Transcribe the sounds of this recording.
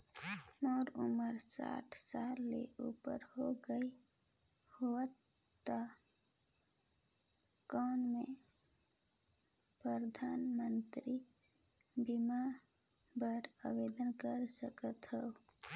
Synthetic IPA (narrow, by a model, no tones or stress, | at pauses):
mɔːɾuməɾsa̰ʈʰsalːḛupə̰ɾhoɡəi | hoət̪ːa | kɔːnme | pɾəɾd̪ʱanmənt̪ɾi | bima | bəɽə̰wed̪ənkəɾsəkət̪ɦəu